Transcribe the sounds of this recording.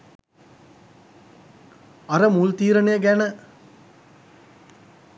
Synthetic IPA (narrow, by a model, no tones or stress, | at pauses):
aɾəmult̪iːɾənejəɡænə